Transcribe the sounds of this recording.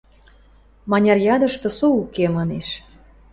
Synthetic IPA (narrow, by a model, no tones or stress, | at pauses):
mɑnʲɑrjɑd̪əʃt̪ɤ̆suukemɑneʃ